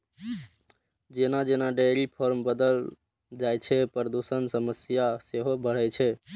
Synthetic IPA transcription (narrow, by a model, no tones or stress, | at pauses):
d͡ʒenad͡ʒenaɖeɾipʰoɾmbəd̪əl | d͡ʒajt͡ʃʰɛpɾəd̪usənsəməsjaseɦobəɽ̤ɛt͡ʃʰɛ